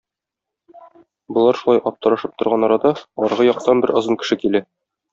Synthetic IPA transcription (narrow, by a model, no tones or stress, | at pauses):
bŏlˠɑɾʃulˠɑjɒp̚t̪ɤ̆ɾɑʃɤp̚t̪ŏɾʁɑnɒɾɑd̪ɑɒɾʁɤjɒq̚t̪ɑnbɘɾɤ̆zɤŋkɘ̥̆ʃɘkilæ